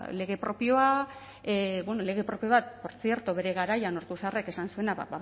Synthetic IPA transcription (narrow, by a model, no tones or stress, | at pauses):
le̞ɣ̞e̞pɾo̞pio̞a | bwenole̞ɣ̞e̞pɾo̞pijo̞βat̪̚po̞ɾt͡sije̞ɾt̪oβe̞ɾe̞ɣaɾajano̞ɾt̪usareke̞sansue̞naβa̰ba